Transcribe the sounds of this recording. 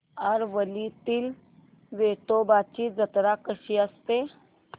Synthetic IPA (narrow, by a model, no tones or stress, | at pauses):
aɾʋəlit̪iːl | ʋeʈ̪obat͡ɕiːd͡zət̪ɾakəɕiːəst̪e